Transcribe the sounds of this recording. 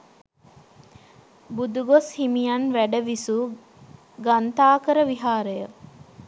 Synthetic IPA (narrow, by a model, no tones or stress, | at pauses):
bud̪uɡoshimijanʋæɖəʋisu | ɡant̪aːkəɾəʋiɦaːɾəjə